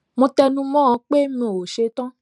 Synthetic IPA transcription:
mũ˧t̪ɛ˧nũ˧mɔ̃˦wɔ̃˨˧k͡pe˦mẽ˨wo˨ʃe˧t̪ɔ̃˦

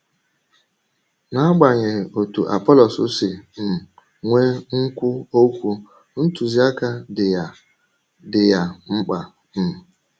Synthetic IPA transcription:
na˦a˦ɡ͡ba˨ɲe˨o˨tu˨ʔa̰˨pɔ˦lɔ˨sʊ̰˦si˨m̩˨ | ŋʷe˦ŋ̩˦kʷʊ˦o˦kʷu˦ | n̩˦tu˨zi˦a˦ka˦dɪ˨ | dɪ˨ja˨ŋ͡m̩˦k͡pa˨ | m̩˨

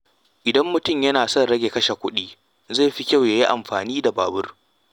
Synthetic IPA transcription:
ʔɪ˨dɐ˦mːʊ˨tʊ˦˨mjɐ˦naː˨sɐ˦˨nɾɐ˦ɡʲe˨kɐ˦ʃa˨kʷʊ˦ɗiː˦ | ze˦˨ɸi˦kʲa˦˨wja˨ji˦ʔa˨mɸaː˨niː˦da˨baː˨bʊ˦r

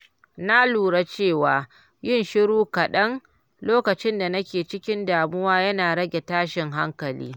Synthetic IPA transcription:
na˦luː˨ɽa˦t͡ʃeː˦˨waː˨ | jɪ˦nʃʊ˦ɽuː˦kɐ˨ɗɐ˦ŋ | loː˦kɐ˨t͡ʃɪ˦nda˨nɐ˦kʲeː˨t͡ʃɪ˦kʲɪ˦ndaː˨mʊ˦waː˦jɐ˦naː˨ɽɐ˦ɡʲe˨taː˦ʃɪ˨ŋɦa˦ŋkɐ˨lḭː˦

